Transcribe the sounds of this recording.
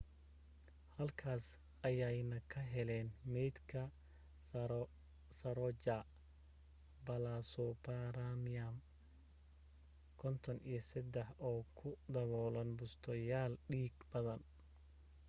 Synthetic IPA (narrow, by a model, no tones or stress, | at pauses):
hɐlkʰaːs | ʔɐjɛjnɐkʰɐɦɛlɛːnmɛjd̪kʰɐ | sɐɾɔd͡ʒa | bɐlasɔbaɾamjam | kʰɔnt̪ʰɔnḭjɞsɐd̪ɛħɔːkʰʊd̪ɐβɔːlɐnbʊst̪ʰɔjaːlɖiːɡbɐðɐn